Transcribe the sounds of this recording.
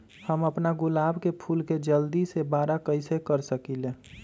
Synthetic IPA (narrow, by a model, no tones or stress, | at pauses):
həməpnaɡʊlaːbkepʰulked͡ʒəld̪isebaːɾakəɪsekəɾsəkile